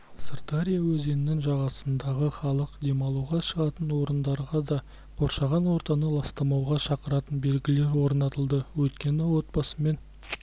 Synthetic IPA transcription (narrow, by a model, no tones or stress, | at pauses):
sart̪aɾʲijawɵze̞nɪnɪŋʒɑʁɑsənd̪ɑʁəχɑlˠəqd̪e̞mɑlˠuwʁɑʃəʁɑt̪ənwo̞ɾənd̪ɑɾʁɑd̪ɑ | qʰo̞ɾʃɑʁɑnwo̞ɾt̪ɑnəlˠɑst̪ɑmɑwʁɑʃɑqəɾɑt̪ənbe̞lɡʲɪle̞ɾwo̞ɾnɑt̪əlˠd̪əwɵt̪kʲe̞nɪwo̞t̪̚bɑsəme̞n